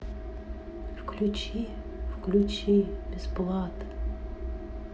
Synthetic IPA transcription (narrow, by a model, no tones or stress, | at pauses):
wklʲut͡ʃi | wklʲut͡ʃibʲɪsplˠɑt̪